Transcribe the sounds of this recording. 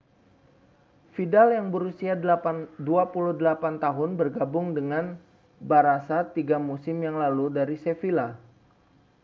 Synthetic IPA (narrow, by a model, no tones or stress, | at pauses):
fidaljaŋbəɾusiadapaduapuluhdəlapant̪aɦʊnbərɡabʊŋdəŋan | baɾasat̪iɡamusɪmjaŋlaludaɾisefila